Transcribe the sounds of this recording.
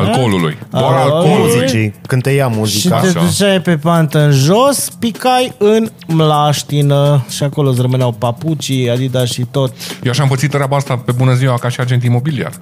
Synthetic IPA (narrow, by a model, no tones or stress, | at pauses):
alkolulṵjdaaɾaloluzit͡ʃejkɨnd̪t̪ejamuzikʃiat̪eut͡ʃajpe̞pant̪əɨnʒo̞spikajɨn | mlaʃt̪inəʃiako̞los̬rəmɨneawpaput͡ʃiad̪id̪aʃit̪ot̪jewaʃampət̪sit̪t̪ɾʲeabaast̪ape̞bunəziwakaʃiard͡ʒet̪̬imo̞bilia̰r